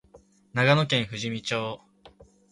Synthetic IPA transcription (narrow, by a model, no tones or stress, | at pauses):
naɡano̞kẽɰ̃ɸɯ̟ʑimʲit͡ɕoː